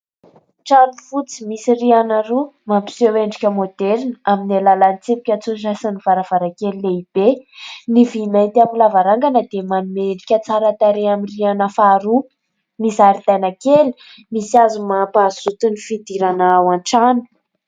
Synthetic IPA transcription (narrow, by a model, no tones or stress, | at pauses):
ʈ͡ʂanufut͡simisirianaɾumampi̥seweɳɖ͡ʐikʲəmod̪eɾinaminelalanit͡sepi̥kʲat͡suzasanivaɾav̥aɾakelileib̥enivimajnt̪iamilavaɾaŋɡanəd̪emanumeɳɖ͡ʐikʲət͡saɾat̪aɾeamirianəfaɾu | misaɾit̪ajnakeli̥ | misiazumapazut̪unifid̪iɾanaawãnʈ͡ʂanu̥